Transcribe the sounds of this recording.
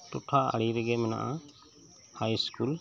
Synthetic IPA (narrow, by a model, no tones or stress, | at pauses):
t̪uʈʰaa̰ɽiɾɛɡɛmɛna̰ʔã | hajskul